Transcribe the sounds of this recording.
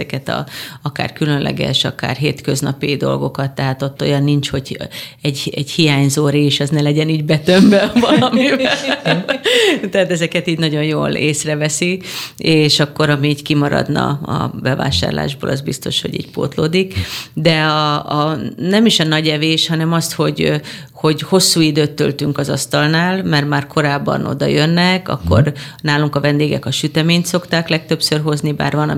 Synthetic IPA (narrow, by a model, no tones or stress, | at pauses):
ɛkɛt̪ɒ̰ɒka̰ːrkylø̞nlʔɛ̰ɡɛ̰ʃɒka̰ːrɦeːt̪køznɒpid̪o̞̰lɡo̞kɒt̪ːɛɦaːt̪ot̪ːo̞̰jɒnːint͡ʃho̞ɟɛɟɛɟhijaːɲzoːɾiːʃɒznɛlɛɟɛniːɟbɛt̪ømbɛbɒlɒmivɛl | t̪ɛat̪ɛzɛkɛt̪iːɟnɒɟo̞njoːleːsrɛvɛsieːʃɒkːo̞ɾɒmiːckimɒɾɒ̰d̪nɒ̰ɒ̰bɛva̰ːʃa̰ːrla̰ːʒbo̰ːlɒzbist̪o̞̰ʃho̰ɟḭːɟ̚po̰ːt̪loːd̪ikd̪ɛɒː | nɛmiʃɒnɒɟɛveːʃhɒnɛmɒst̪ho̞ɟ | ho̞ɟho̞sːuːid̪øːt̪ːø̰lt̪yŋkɒzɒst̪ɒlnaːlmɛrmaːrkʰo̞ɾaːbːɒ̰no̞̰d̪ɒ̰jønːɛkɒ̰kːo̞̰rnaːluŋkɒvɛnd̪eːɡɛkɒʃyt̪ɛmeːɲt̪so̞kt̪aːklɛk̚t̪øpsørɦo̞zniba̰ːrvɒnɒ